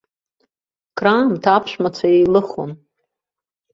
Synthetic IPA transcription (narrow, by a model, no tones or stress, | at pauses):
kʰraːmtʰapʰʂʷᶣmat͡ɕʷʰaejlɨχon